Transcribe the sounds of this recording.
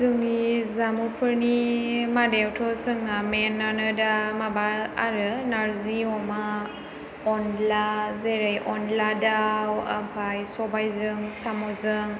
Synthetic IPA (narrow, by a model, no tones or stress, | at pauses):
zɯŋnizamupʰɯɾnimadewtʰɔsɯŋamenːanɯdamabaaɾɯnaɾziɔma | ɔnlazeɾajʔɔnladawapʰajsɔbajzɯŋsamɔzɯŋ